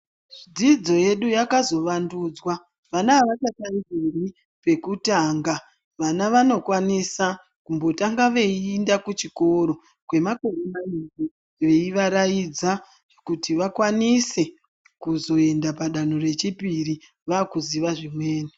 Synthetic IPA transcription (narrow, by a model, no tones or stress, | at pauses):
ʐid͡zid͡zo̞je̞ɗujakazo̞ʋanduːd͡zwa | ʋanaːʋat͡ʃataidiri | pe̞kutaːŋɡa | ʋanaʋano̞kwanisa | kumbo̞taŋɡaʋe̞indakut͡ʃiko̞ɾo̞ | kwe̞mako̞remaindi | ʋe̞iʋaɾajid͡za | ʐ̥ekutiʋakwanise̞ | kuzo̞e̞ndapaɗanore̞t͡ʃipiri | ʋaːkuziʋaʐimweːni